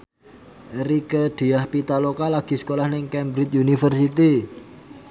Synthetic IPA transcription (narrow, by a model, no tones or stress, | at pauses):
ɾikəd̪̥e̤ahpit̪alokalaɡ̥i̤sə̥kolahnɪŋkɛmbɾɪt̪̚junifərsit̪i